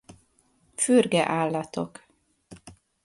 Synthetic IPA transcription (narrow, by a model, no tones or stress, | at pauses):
fyɾɡɛʔaːlat̪ʰo̰k